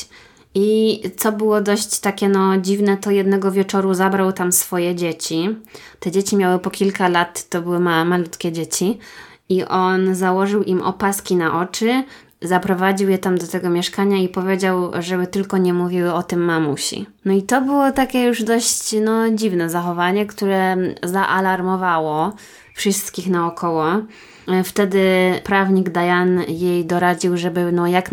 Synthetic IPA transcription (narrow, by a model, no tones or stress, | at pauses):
it̪ɔbɘwɔd̪ɔɕt͡ɕt̪akʲɛnɔd͡ʑivnɛt̪ɔjɛd̪nɛɡɔvʲjɛt͡ʂɔɾuzabɾawt̪amsfɔjɛd͡ʑet͡ɕit̪ɛd͡ʑet͡ɕimʲjawɘpɔkʲilkalat̪ːɔbɘwɘmamalut̪kʲɛd͡ʑet͡ɕi | iʔɔnzawɔʐɘwʔimʔɔ̰paskʲinaʔɔt͡ʂɘ | zapɾɔvad͡ʑiwjɛt̪amd̪ɔt̪ɛɡɔmʲjɛʂkaɲaipɔvʲjed͡ʑawʐɛbɘt̪ɘlkɔɲɛmuvʲiwɘɔt̪ɘmːamuɕḭnɔit̪ɔbɘwɔt̪akʲɛjuʐd̪ɔɕt͡ɕnɔd͡ʑivnɛzaxɔvaɲɛkt̪uɾɛzaʔalaɾmɔvawɔ | fʂɘst̪kʲixnaɔkʰɔwɔ | ft̪ɛd̪ɘpɾavɲiɡd̪ajanjejd̪ɔɾad͡ʑiwʐɛbɘnɔjak